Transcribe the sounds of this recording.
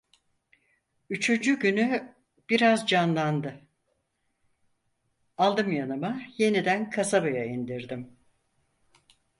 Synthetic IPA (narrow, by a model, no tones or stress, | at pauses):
yt͡ʃʰynd͡ʒyɟyny | b̥iɾazd͡ʒanlˠand̪ɯ | alˠd̪ɯmjanɯmaje̞nid̪ænkʰasabajaind̪iɾd̪im